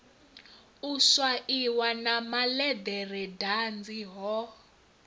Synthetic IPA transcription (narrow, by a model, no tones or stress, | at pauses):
uswaʔiwanamalɛd̪ɛrɛdand͡ziɦɔ